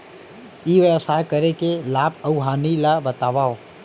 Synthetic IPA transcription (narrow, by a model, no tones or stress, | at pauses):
iːʋəʋsaːjkəɾekelaːbəuɦaːnilabət̪aːʋaːo